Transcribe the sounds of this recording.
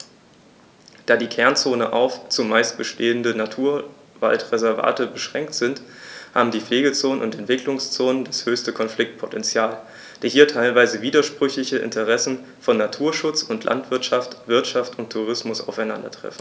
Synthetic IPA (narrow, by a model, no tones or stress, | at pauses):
d̥aːdiːkʰɛɐnt͡soːnənʔa̰ʊft͡sʊmːaɪst̚b̥əʃteːəndənatʰuːɐ | va̰ltʁɛzɛɐva̰ːtəbəʃʁ̥ɛŋk̚tz̥ɪntha̰ːbm̩diːfleːɡət͡soːnənʊntɛntv̥ɪklʊŋst͡soːnəndashøːçstəkʰɔnflɪk̚t̚pʰɔ̥tʰɛnt͡sjaːl | d̥eːɦiːɐtʰaɪlvaɪzəviːdɐʃpʁ̥ʏçlɪçəʔɪ̰ntʰəʁɛsn̩ | fɔnːatʰuːɐʃʊt͡sʊntʰlʔa̰ntv̥ɪɐtʃaftv̥ɪɐtʃaftʊntʰːuʁ̞ɪsmʊsa̰ʊfaɪnandɐ̰tʁ̥ɛ̰fn̩